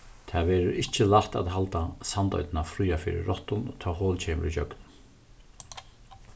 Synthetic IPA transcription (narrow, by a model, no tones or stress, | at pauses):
t̪ʰaːʋɛːɾʊɾɪht͡ɕɪlaht̪a̰ðɦalt̪asant̪ɔ̰ʏt̪ɪnafɾyːafɪ̰ːɾɪ̰ːɔht̪ʊnt̪ʰɔːhɔːlt͡ɕʰeːm̰ɾit͡ɕœ̰kn